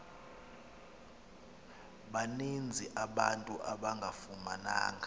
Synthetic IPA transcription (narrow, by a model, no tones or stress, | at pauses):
ɓanend͡zʱiʔaɓantʼuʔaɓaŋɡʱafuma̰na̰ːŋɡʱa